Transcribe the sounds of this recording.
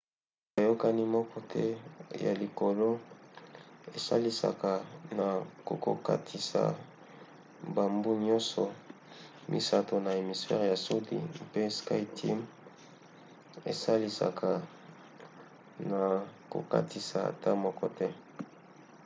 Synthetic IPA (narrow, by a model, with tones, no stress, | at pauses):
a˨jo˦ka˦ni˦mɔ˦kɔ˦tʰɛ˦ja̰˨li˨ko˨lo˦ | e˨sa˦li˦sa̰˨ka˨na˨ko̰˨ko̰˨ka̰˦tʰi˨sa̰˨ | ba˨mbu˦ɲɔ˦nsɔ˨ | mʔḭ˨sa˨to˨na˨e˨mi˨sfɛ˦ʁja˨so˦dḭ˨m˦pe˦ska˦i˦tʰi˦m | e˨sa˦li˦sa̰˨kʰa˨ | na˨ko̰˨ka̰˦ti˨sa˨a̰˨ta˦mɔ˦kɔ˦tɛ˦